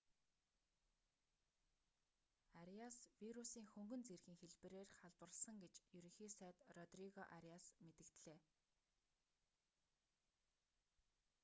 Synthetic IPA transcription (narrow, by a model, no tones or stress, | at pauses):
aɾiaswiɾusiːŋxɵŋɡɵ̆nt͡serɣiːŋxeɮpɘ̆ɾeːrχaɮpə̆rɮsə̆ŋɡet͡ɕjɵɾĭŋxiːsæːt̪rɔt̪riɣɔʔaɾiasmet̪ɘ̆kt̪ɮeː